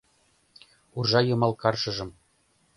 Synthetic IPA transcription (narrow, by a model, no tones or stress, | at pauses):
urʒɑjɤ̆mɑlkɑrʃɤ̆ʒɤ̆m